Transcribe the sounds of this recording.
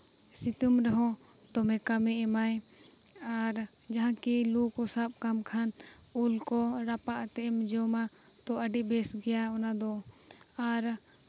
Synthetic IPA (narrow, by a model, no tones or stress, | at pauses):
sit̪umɾɛɦɔ̃ | t̪ɔmɛ̃kamɛʔɛmaj | aɾ | d͡ʒaɦãkilukɔsab̚kamkʰan | ulkɔɾapaʔt̪ɛʔɛmd͡ʒɔma | t̪ɔʔəɖiʔbɛsɡɛjaɔnad̪ɔ | aɾ